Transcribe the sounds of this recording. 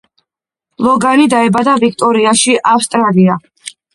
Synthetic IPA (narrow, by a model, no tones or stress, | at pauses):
lˠɔɡanid̪aɛbad̪avik̚ʰt̪ʼɔɾiaʃiʔafst̪ʼɾalia